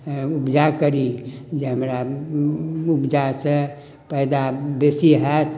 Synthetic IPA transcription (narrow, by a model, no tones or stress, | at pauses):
ubd͡ʒakəɾid͡ʒeɦəmɾa | upd͡ʒase | pəjd̪abesiɦɛt̪ʰ